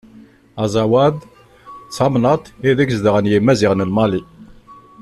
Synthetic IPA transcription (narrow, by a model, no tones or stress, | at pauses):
ɑzˤɑwæð | t͡sːɑmnət̪ˤiðækzðəʁənjimːæziʁnəlmɑli